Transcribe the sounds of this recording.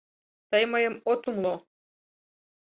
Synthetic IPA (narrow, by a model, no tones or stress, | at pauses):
t̪əjməjə̆mot̪umlo